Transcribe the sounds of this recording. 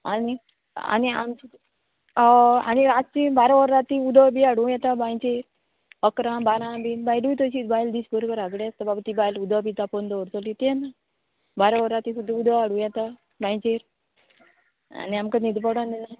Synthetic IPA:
ani | a̰nia̰ms | a̰ñiɾat͡ʃibaɾaʋəɾːat̪iud̪ʱəbiaɽũjɛt̪abãjt͡ɕeɾ | əkɾãbaɾãbiːnbajluit̪əɕit̪bajld̪iːsbəɾobəɾaɡɽeast̪ababat̪ibajlud̪əbit̪apɔnd̪ɔəɾt͡sɔlit̪enːa | baɾaʋəɾɾat̪isud̪ʱːaud̪aaɽũjɛt̪a | bãjt͡ɕeɾ | a̰niamkanid̪pəɽãnina

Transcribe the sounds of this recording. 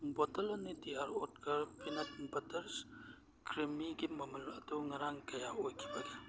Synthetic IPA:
botɐlɐnːitijaɾɔt̚kɐɾpʰinat̚bɐtɐɾs | kɾimiɡimɐmɐlɐtuŋɐɾaŋkɐjaojkʰi̥baɡi

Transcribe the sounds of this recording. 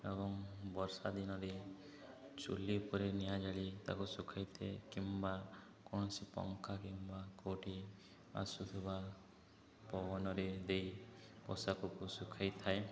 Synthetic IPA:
ebɔŋbɔɾsad̪inɔɾe | t͡ʃṵlipɔɾenijad͡ʒaɭit̪a̰kusukʰajt̪ʰekimba | kɔɽ̃ɔsipɔ̰ŋkʰakimbakoʈi | a̰sut̪ʰiba | pɔbɔnɔɾed̪ejpɔ̰sakɔkusukʰajt̪ʰae

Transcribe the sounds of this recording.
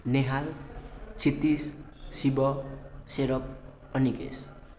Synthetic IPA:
neɦalt͡sʰit̪is | sibʌseɾʌk̚ | ʌniɡḛs

